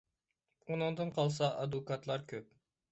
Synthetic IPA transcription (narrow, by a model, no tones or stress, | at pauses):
unɨŋd̪ɨnqʰɑlˠsɑʔɑd̪ukɑt̪lˠɑɾkʲʰøp̚